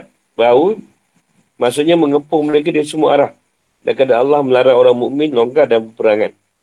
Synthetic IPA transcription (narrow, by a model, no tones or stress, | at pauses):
bau | masuʔɲaməŋəpʊŋməlak̬at̪̚asəmuaʔaɾah̚ | dankadaalːahməlaɾaŋoɾaŋmuʔmɪnloŋɡardanpəpəɾaŋan